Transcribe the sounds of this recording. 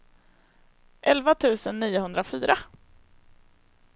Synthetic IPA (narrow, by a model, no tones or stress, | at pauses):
ʔɛlvat̪ʰʉ̟ːsənːiːʊɦɵnd̪ɾafyːɾa